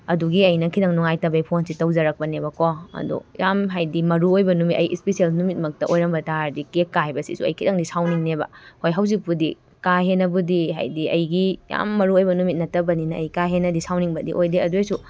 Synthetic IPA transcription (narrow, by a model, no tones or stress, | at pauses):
ɐduɡiɐjnɐkʰidɐŋnuŋajtɐbejpʰonsitɐwzɐɾɐk̚pɐnebɐkoɐ̰dṵjamɦajdimɐɾuojbɐnumitɐ̰jʔispesielnumit̚mɐk̚tɐʔojɾɐmbɐtaɾdikekːaɦajbɐsḭsuɐ̰jkʰidɐŋdisawniŋnebɐ̰hojɦawzik̚pudi | kaɦenɐbudiɦa̰jdiɐ̰jɡija̰mːɐɾuojbɐnumit̚nɐtɐbɐninɐːjkaɦenɐdisawniŋbɐdḭʔojdeɐdojsu